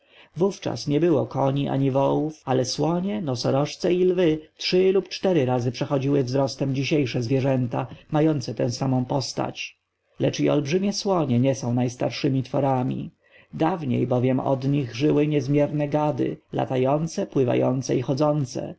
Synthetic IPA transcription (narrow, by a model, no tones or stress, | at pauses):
vuft͡ʂa̰sɲɛbɘwɔkɔɲiʔa̰ɲivɔwufalɛswɔɲɛnɔsɔɾɔʂt̪sɛilvɘtʂɘlupt͡ʂt̪ɛɾɘɾazɘpʂɛxɔd͡ʑiwɘvzɾɔst̪ɛmd͡ʑiɕejʂɛzvʲjɛʐɛnt̪amajɔnt̪sɛt̪ɛ̃w̃samɔ̃w̃pɔst̪a̰t͡ɕ | lɛt͡ʂiɔ̰lbʐɘmʲjɛswɔɲɛɲɛsɔ̃w̃najst̪aɾʂɘmʲit̪fɔɾamʲḭ | d̪avɲḛjbɔvʲjɛmɔ̰d̪ɲiɣʐɘwɘɲɛzmʲjɛɾnɛɡad̪ɘ̰la̰t̪ajɔnt̪sɛpwɘva̰jɔnt̪sɛixɔzɔnt̪sɛ̰